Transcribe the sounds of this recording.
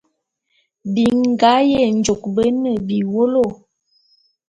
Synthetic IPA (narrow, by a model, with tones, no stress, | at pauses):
bi˨ŋ˦ɡa˨˦jɛ˦˨nd͡ʒo˨k̚bə˦nə˦˨bi˨wo˦lo˦˨